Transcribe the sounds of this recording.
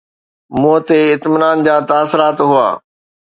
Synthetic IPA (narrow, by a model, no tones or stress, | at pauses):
mõːt̪eːɪt̪mɪnaːnd͡ʑãːt̪aːsɪɾaːt̪ɦʊa̰ː